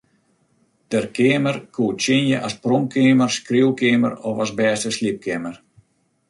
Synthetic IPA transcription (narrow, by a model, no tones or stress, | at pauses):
d̥ərkʰɪəmərkʰuətt͡ʃɪnjəʔasprɔmkʰɪəmərskriəwkʰɪəmə̰rɔfasbɛːstəslip̚kɪmər